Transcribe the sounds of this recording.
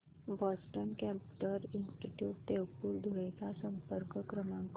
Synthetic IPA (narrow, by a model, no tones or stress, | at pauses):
bɔsʈənkɛ̃mpʈəɾinsʈiʈjuːʈt̪ewpuːɾd̪ʱoekasəmpəɾkkɾəmãŋk